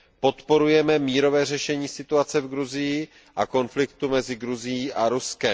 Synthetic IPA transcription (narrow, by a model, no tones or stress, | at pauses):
po̞t̪po̞ɾujɛmɛmiːɾo̞vɛːr̝ɛʃɛɲiːsɪt̪uat͡sɛvɡɾuzɪjɪ | ʔako̞nflɪkt̪umɛzɪɡɾuzɪjiːʔaɾuskɛm